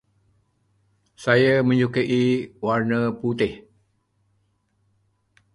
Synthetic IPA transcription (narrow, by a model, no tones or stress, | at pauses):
sajamə̃ɲd͡ʒukəʔiwarnəput̪ɪh